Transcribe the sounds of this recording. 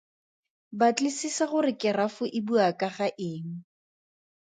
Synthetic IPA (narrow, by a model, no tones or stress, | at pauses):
bat͡ɬlisisaχʊrɪkɪrafʊʔibuakʼaχaʔɪːŋ̩